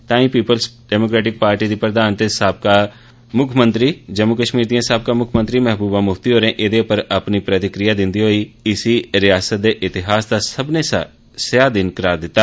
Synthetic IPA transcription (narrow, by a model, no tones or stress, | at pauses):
t̪ãːĩːpiːpəlsɖɛːmoːkɾɛːʈɪk̚paːɾʈiːd̪iːpəɾd̪aːnt̪eːsaːb̚kaː | mʊkʰmə̃nt̪ɾiːd͡ʒəmuːkəʃmiːɾd̪iãːsaːb̚kaːmʊkʰmə̃nt̪ɾiːmɛɦbuːbãːmʊft̪iːɦoːɾẽːʔed̪eːʊpəɾəpniːpɾət̪ɪkɾɪjaːd̪ɪ̃nd̪iːɦoːiːɪsiːɾɪjaːsət̪̚d̪eːʔɪt̪ɪɦaːsd̪aːsəbneː | sɪjaːd̪ɪnkəɾaːɾd̪ɪt̪ːaː